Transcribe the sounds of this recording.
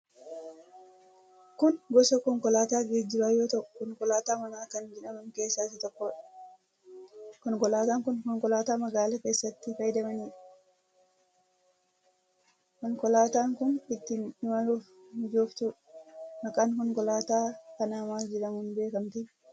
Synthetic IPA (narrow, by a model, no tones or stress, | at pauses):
kʊnɡɔsɔkɔŋkɔlaːt̪aːɡeːd͡ʒɪɾaːjoːt̪ɐʔɔkɔŋkɔlaːt̪aːmɐnaːkɐnd͡ʒɛᶑɐmɐnke̞ːsːaːsɪt̪ɔkːɔːᶑɐ̥ | kɔŋkɔlaːt̪aːŋkʊnkɔŋkɔlaːt̪aːmɐɡaːlɐke̞ːsːɐt̪ːɪfɐjd̪ɐmɐniːᶑ | kɔŋkɔlaːt̪aːŋkʊnɪt̪ːɪnɪmɐluːf | ɪd͡ʒoːft̪u | mɐkʼaːnkɔŋkɔlaːt̪aːkɐnaːmaːsd͡ʒɪɾɐmhʊnbe̞ːkɐmt̪ɪ